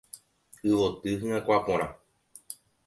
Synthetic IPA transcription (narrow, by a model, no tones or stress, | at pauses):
ɨʋot̪ɨɦɨ̃ẽkʷapõɾ̃ã